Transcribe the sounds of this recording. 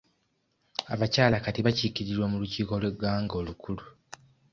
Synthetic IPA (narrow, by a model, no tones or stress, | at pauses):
aβacaːlakatiβacikiɾiɾwomuluciːko̞lwe̞ɡaːŋɡo̞ːlukʰulu